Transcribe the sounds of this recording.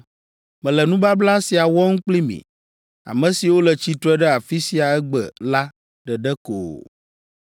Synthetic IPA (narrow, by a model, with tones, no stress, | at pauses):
mɛ̃˨lɛ˨nũ˦ba˦bla˦si˨a˨wɔ˦ŋũ˦k͡pli˦mḭ̃˨ | a̰˨mɛ̃˨si˨wo˦lə˨t͡ɕi˦t̪ɾɔ˦ɛ˦ɖɛ˦a˨fi˦si˨a˨ɛ˦ɡ͡bə̰˨la˦ | ɖə˨ɖɛ˦ko̰˨